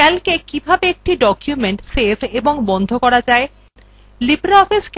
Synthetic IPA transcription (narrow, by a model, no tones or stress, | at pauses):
ɛlkekibʱabeek̚ʈiɖɔkjumeɳʈsebʰeboŋbɔnd̪ʱokɔɾad͡ʑae | libɾaɔfisk